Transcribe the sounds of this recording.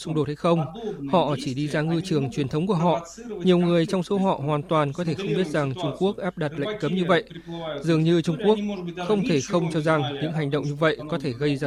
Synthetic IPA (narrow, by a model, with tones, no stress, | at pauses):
sʊ˧ŋ͡mɗo˨˩t̚ha˧˩jxə˧wŋ͡mhɔ̰˧˨t͡ɕi˧˩ɗi˧zaː˧ŋɨ˧t͡ɕɨ˨˩əŋt͡ɕwi˨˩ənt̪ʰə˨˦wŋ͡mku˧˩əɦɔ̰˧˨ | ɲi˨˩əwŋɨ˨˩əjt͡ɕɔ˧wŋ͡mso˨˦ɦɔ̰˧˨ɦwaː˨˩nt̪waː˨˩nkɔ˨˦t̪ʰe˧˩xə˧wŋ͡mɓi˦˥ət̚za˨˩ŋt͡ɕʊ˧ŋ͡mku˦˥ək̚ʔaː˦˥p̚ɗa˨˩t̚la̰˧˨jŋ̟kə˨˦mɲɨ˧və̰˧˨jzɨ˨˩əŋɲɨ˧t͡ɕʊ˧ŋ͡mku˦˥ək̚xə˧wŋ͡mt̪ʰe˧˩xə˧wŋ͡mt͡ɕɔ˧za˨˩ŋɲɨ̰˧˥ŋɦa˨˩jŋ̟ɗə̰˧˨wŋ͡mɲɨ˧və̰˧˨jkɔ˨˦t̪ʰe˧˩ɣə˧jzaː˧